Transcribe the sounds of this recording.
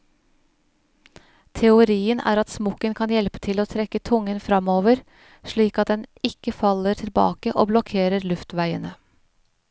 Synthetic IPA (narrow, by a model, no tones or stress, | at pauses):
t̪ʰɛʊɾiːənʔæ̰ːɾɑt̪smɔkənkʰɑnjɛlpə̥t̪ʰɪloːt̪ʰɾɛkːət̪ʰʊŋənfɾɑmoːʋəɾ | ʂɭiːkɑt̪̚d̪ɛnɪkəfɑləʈʰɪlbɑ̰ːkəʔo̰ːblɔkʰeːɾəɾlʉft̪ʋæɪənə